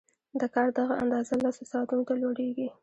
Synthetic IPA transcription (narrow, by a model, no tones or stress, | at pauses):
d̪əkɑɾd̪aɣaʔa̰nd̪ɑzalasosɑt̪unot̪aloɽeɡi